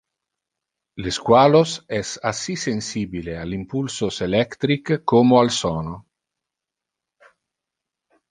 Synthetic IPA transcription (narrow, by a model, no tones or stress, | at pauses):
leskwaːlosɛsasisensiːbilealimpulsoselɛkt̪ɾikːomoalsɔːno